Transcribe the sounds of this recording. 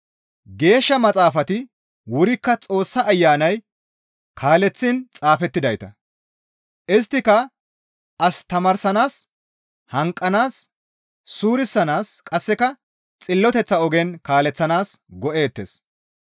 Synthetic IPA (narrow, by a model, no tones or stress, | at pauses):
ɡe̞ːʃːɐmɐt͡sʼaːfɐt̪ɪ | wʊɾɪkːɐt͡sʼo̞ːsːɐːjːaːnɐj | kʰaːlɛt͡sːɪnt͡sʼaːfɛt̪ːɪd̪ɐjt̪ɐ̰ | ʔɪst̪ːɪkɐ | ɐst̪ɐmɐɾsɐnaːs | hɐŋkʼːɐnaːsː | uːɾɪsːɐnaːskʼɐsːɛkɐ | t͡sʼɪlːɔt̪ɛt͡sːɐɔɡɛnkaːlɛt͡sːɐnaːsɡɔʔe̞ːt̪ːḛs